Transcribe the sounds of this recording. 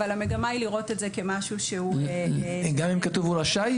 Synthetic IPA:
valhame̞ɡamailiʁo̞tetzeke̞maʃuʃeu | ɡamimkat̪uvulaʃaj

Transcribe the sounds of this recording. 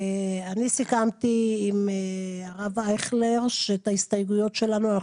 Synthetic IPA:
eanisikamt̪iːmeaʁavajχleʁʃet̪aist̪ajɡujo̞tʃe̞lanuana

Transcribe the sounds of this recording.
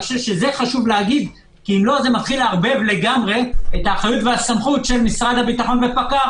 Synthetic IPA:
ʃevʃeze̞χaʃuvleaɡid̪ | kiːmlo̞ze̞mat̪χilaʁbe̞vle̞ɡamʁe̞et̪aːχajutvehasamχutʃe̞lmisʁad̪habit̪aχo̞nbepaka

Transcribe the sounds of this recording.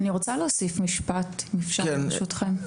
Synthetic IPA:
aniʁot͡saloːsifmiʃpat̪mifʃaeaʃutχem

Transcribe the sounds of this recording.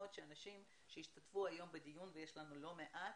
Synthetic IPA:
ot̪ʃeanaʃim | ʃejiʃt̪atfuajo̞mbed̪ijunveje̞ʃlanulo̞me̞ʔat

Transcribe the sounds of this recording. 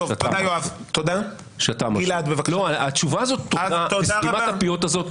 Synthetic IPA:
vat̪adajoavt̪od̪a | ʃeatamilad̪bevakloaatt͡ʃuvaːzo̞tːoatoisimaapiotazo̞t

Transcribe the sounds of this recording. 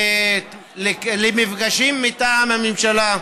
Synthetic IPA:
lelemifɡaʃimːit̪aːmamimʃala

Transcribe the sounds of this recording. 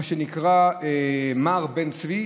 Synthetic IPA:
ʃenikʁaemaʁbent͡svi

